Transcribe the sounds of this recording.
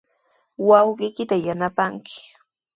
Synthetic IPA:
wɑwɢɪjkɪt̪ajanapaŋkɪ̥

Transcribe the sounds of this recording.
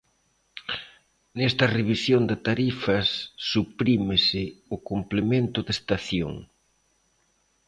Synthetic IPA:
nɛst̪ɐreβisjond̪ɪt̪aɾifɐsːupɾimɪsɪʊkomplemẽnt̪ʊðest̪aθjo̰ŋ

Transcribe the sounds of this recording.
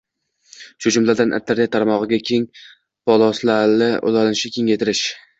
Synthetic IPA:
ʃʊd͡ʒʊmlad̪anʔɪ̰t̪ʰːaɾat̪ʰaɾmɒʁɨɡʲakʲʰe̞ŋ | pʰɒlˠɒslalɪo̰lˠɒlɪnɪʃɪkʲʰe̞ŋajt̪ʰɪɾɪʃ

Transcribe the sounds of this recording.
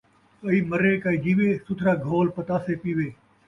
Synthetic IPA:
kəiːməɾeːkaːiːd͡ʒiːʋeːsʊt̪ʰɾaːɡʱoːlpət̪aːseːpiːʋeː

